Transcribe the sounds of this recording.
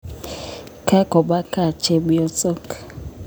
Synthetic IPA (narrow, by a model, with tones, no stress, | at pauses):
kʰa˦kɔ˨ɓa˦kʰa˦˨t͡ʃʰɛ˦ɓu˦ɔ˦t͡sʼɔ˦k